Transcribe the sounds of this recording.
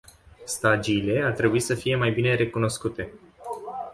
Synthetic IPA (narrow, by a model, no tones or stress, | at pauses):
st̪ad͡ʒiːle̞art̪ɾe̞buisəfije̞majbine̞ɾe̞kuno̞skut̪e̞